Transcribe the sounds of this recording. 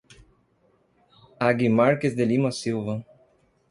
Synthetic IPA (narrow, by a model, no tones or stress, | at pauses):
aɡimaɾkezd̪elimɐsiwvɐ